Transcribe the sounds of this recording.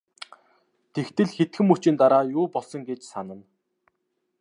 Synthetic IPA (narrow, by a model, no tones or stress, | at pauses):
t̪ʰekt̪ɘ̆ɮxet̪xɘ̆mut͡ɕĭnt̪aɾaːjʊːpɔɮsɞ̆ŋɡet͡ɕsanə̆n